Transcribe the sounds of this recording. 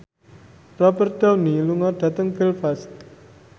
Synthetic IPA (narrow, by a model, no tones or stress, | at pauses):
rɔbərd̪̥awniluŋard̪̥a̤t̪əŋfilfast̪